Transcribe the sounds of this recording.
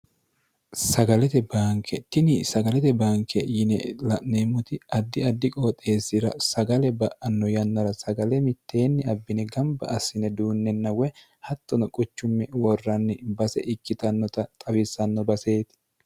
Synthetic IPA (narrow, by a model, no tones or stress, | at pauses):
sɐɡɐlɛt̪ɛbaːŋkʰɛt̪ɪnɪsɐɡɐlɛt̪ɛbaːŋkʰɛjɪnɛlɐneːmʊt̪ɪɐd̪ːɪɐd̪ːɪkʼoːt̪ʼːe̞ːsːɪɾɐsɐɡɐlɛbɐʔɐnːɔjɐnːɐɾɐsɐɡɐlɛmɪt̪ːe̞ːnːɪɐbːɪnɛɡɐmbɐ̰ʔɐsːɪnɛd̪uːnːɛnːɐwɛ | hɐt̪ːɔnɔkʼʊt͡ʃːʊmːɛwɔrːɐnːɪbɐsɛ̰ʔɪkːɪt̪ɐnːɔt̪ɐt̪ʼɐwɪsɐnːɔbɐse̞ːt̪